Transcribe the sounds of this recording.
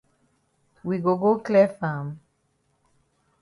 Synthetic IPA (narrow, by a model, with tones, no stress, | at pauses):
wi˨ɡo˨ɡo˦klɛ˦fa˨m